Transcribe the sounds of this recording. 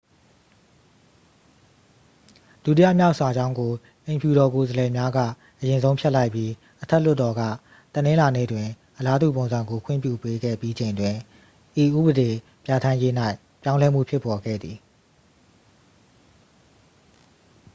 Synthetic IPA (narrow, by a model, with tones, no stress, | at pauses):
d̥ṵ˦t̬i˦a̰˦˨mja˦ʊʔsa˨d͡ʑã˦ʊ̃ŋɡo˨ | ʔẽ˨mpju˨ɾɔ˨ko˨zəlɛ˨mja˦ɡä̰˦˨ | ʔəjɪ̃˨nzõ˦ʊ̃mpʰjɛ˦ʔla˦ɪpji˦ | ʔətʰɛ˦l̥ʊ˦˨tːɔ˨ɡä̰˦˨ | t̪ənɪ̃˦la˨nḛ˦˨dwɪ̃˨ | ʔəla˦dṵ˦˨põ˨nzã˨ŋɡo˨kʰwɪ̰̃˦˨pjṵ˦˨pe˦ɡɛ̰˦˨pji˦d͡ʑẽ˨ɪ̃ndwɪ̃˨ | ʔi˨ʔṵ˦˨bəde˨ | pja˨tʰã˦je˦n̥a˦ɪ | pjã˦ʊ̃lɛ˦m̥ṵ˦˨pʰjɪ˦pːɔ˨ɡɛ̰˦˨d̪ði˨